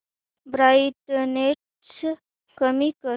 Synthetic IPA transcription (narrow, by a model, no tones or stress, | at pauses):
bɾaʈneʈ | s | kəmikə